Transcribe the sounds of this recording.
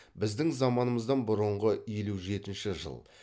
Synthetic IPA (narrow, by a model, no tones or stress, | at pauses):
bɪzd̪ɪŋzɑmɑnəməzd̪ɑnbʊɾəɴʁəje̞luʒe̞t̪ɪnʃɪʒə̰lˠ